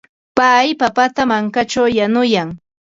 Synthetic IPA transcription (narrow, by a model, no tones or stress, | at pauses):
pajpapat̪amaŋkat͡ʃawjanʊjaŋ